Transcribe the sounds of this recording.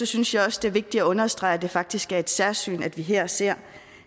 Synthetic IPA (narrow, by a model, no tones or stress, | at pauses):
ɒ̽synsjɑ̈ɪɒ̽səd̥eɐʋe̝ɡ̥̚d̥iæɔ̽nɐsd̥ʁɑ̈ɪd̥e̝fɑ̈ɡ̥̚d̥isɡ̥æɐe̝d̥sæɐsy̰ːnæd̥ʋiɦeɐ̰se̝ɐ̰